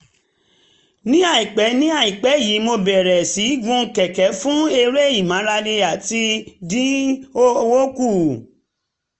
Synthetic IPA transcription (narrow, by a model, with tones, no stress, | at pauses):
nĩ˦a˦˨i˨k͡pɛ˨˦nĩ˦a˦˨i˨k͡pɛ˨˦˨ji˨˦mo˧bɛ˨ɾɛ˨si˨˦ɡũ˧˦kɛ˨kɛ˨˦fũ˦e˧ɾe˦˨i˨mã˨˦ɾa˧nĩ˧a˨ti˧dĩ˦o˦wo˦ku˦˨